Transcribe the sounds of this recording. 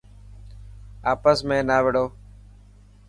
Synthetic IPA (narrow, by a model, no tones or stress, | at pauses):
aːpəsmẽːnaːʋɪɽoː